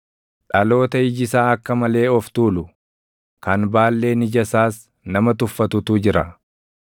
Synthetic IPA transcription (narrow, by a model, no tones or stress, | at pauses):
ᶑɐlo̞ːt̪ɐɪd͡ʒɪsaːɐkːɐmɐle̞ːɔft̪uːlʊ | kɐnbaːlːe̞ːnɪd͡ʒɐsaːs | nɐmɐt̪ʊfːɐt̪ʊt̪uːd͡ʒɪɾɐ̰